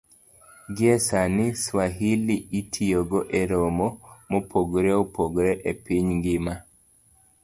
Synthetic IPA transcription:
ɡiesaniswaɦiliitʰijoɡoʔeɾomomopʰoɡɾeopʰoɡɾɛʔepiɲŋɡima

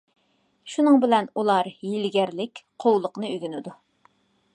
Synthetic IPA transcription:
ʃunɨŋbɪlɛnulˠɑɾjilɡʲæɾlɪkʲqʰowlˠəqnɨyɡʲynɪd̪u

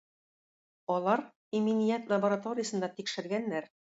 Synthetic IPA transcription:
ɒlˠɑɾ | iminijæt̪lˠɐbəɾat̪oɾʲɪjəsɤ̆nd̪ɑt̪ikʃɘ̆ɾɡænːæɾ

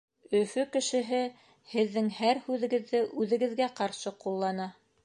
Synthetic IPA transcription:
ɵ̆fɵkɘ̆ʃɘ̆ɦɘ | hɘ̆ðːɘŋhæɾhʉðɘ̆ɡɘ̆ðːɘʔʉðɘ̆ɡɘ̆ðɡæqɑɾʃɤqulˠːɑnɑ

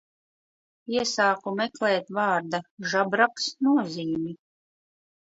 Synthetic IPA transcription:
iɛsaːkumɛklɛːt̪vɑːɾd̪aʒabɾaksnuɔziːmi

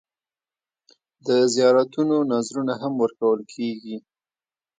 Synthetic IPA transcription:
d̪əzijɑɾat̪unonazɾunaɦamwəɾkawəlkʰeɡi

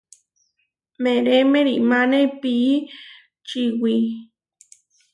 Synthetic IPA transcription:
meɾemẽɾiʔmãnepiʔː | t͡ʃiwi

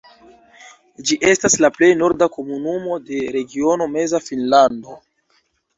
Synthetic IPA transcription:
d͡ʒiʔe̞staslaple̞jno̞ɾdako̞munumo̞de̞ɾe̞ɡio̞no̞me̞zafinlando̞

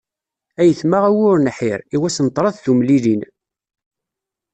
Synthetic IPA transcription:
æjəθmaʁæwʊɾnħiɾiwæsənt̪ːˤɾˤɑθθumlilin

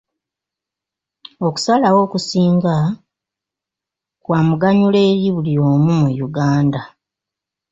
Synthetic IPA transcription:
o̞ku̥salawo̞ːkusiːŋɡa | kwaːmuɡaɲule̞ːɾjiβulioːmumujuɡaːnda

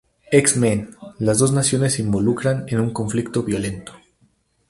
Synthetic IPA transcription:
eksmẽnlazðo̞znasjo̞ne̞sːimbo̞lukɾanenuŋko̞ɱflikt̪o̞βjo̞le̞nt̪o

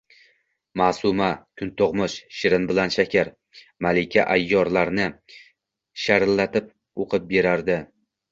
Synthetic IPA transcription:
maːsʊmakʲʰʊnt̪ʰoʁmʊʃʃɪɾɪnbɪlanʃakʲʰaɾ | malɪkʲʰaʔajːɒɾlaɾnɪ | ʃaɾlːat̪ʰɪp̚ | oqʰɨp̚be̞ɾaɾd̪ɪ

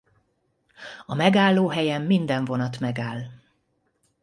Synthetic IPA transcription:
ɒmɛɡaːlːoːɦɛjɛmːind̪ɛɱvo̞nɒt̪mɛɡaːl

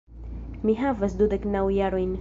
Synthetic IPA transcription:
miɦavasd̪ud̪əknawjaɾin

